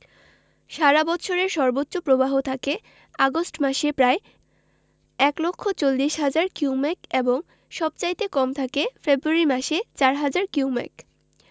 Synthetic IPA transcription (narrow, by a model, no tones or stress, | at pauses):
ʃaɾabɔt͡ɕʰoɾeɾʃɔɾbotːɕopɾobaɦot̪ʰake | aɡosʈmaʃepɾae | ɛklokʰːot͡ɕolːiʃɦad͡ʑaɾkiwmɛkeboŋ | ʃɔb̚t͡ɕajt̪ekɔmt̪ʰakefebɾuaɾimaʃet͡ɕaɾɦad͡ʑaɾkiumɛ̰k